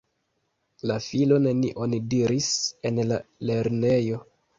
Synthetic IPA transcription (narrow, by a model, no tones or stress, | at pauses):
lafilo̞ne̞niʔo̞nidiɾise̞nlale̞ɾne̞jo̞